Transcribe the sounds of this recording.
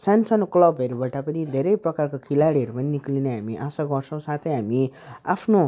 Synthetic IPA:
sansʌnoklʌbʱʌɾubaʈapʌnid̪ʱeɾʌjprʌkarkokʰilaɽiɦʌɾupʌniniklinʌɦamiʔasaɡʌrt͡sʰʌ̃w̃sat̪ʰʌjɦamia̰pʰno

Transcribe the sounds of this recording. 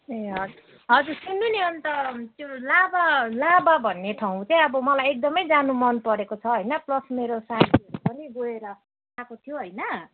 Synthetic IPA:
eɦʌd͡z | ɦʌd͡zursunːuneʌnt̪ʌt̪jolabalababʱʌnːeʈʰaw̃t͡saĩʌbʌmʌlajek̚d̪ʌmʌjd͡zanumʌnpʌɾekot͡sʰʌɦʌjnʌplʌsmeɾosad̪ʰiʌɾupʌneɡoeɾʌ | akot̪ʰijoɦʌjnʌ

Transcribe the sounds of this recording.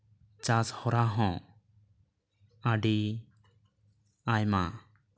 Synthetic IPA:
t͡ʃashɔɾaɦɔ̃ | aɖi | ajma̰

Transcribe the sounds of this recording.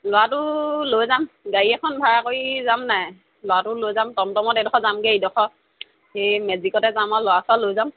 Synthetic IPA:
lʊwatʊlojzamɡaɹiɛkʰɔnbʱaɹakoɹizamnaj | lʊwatʊlojzamtɔmtɔmɔtedɔkʰɔzamɡeidɔxʰɔ | hemɛzikɔtɛzamalʊwasalojzam

